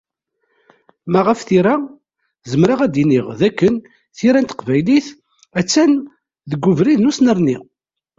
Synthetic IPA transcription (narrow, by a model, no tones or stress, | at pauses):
mæʁəfθiɾæ | zəmɾaʁæd̪iniʁðækːən | θiɾænt̪ə̥qvæjliθ | æt͡sːæn | ðəɡʷːʊvɾiðnusnəɾni